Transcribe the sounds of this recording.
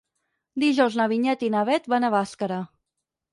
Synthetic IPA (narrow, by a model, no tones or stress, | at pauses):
d̪iʒɔwznəβiɲɛt̪inaβɛt̪banəβaskəɾə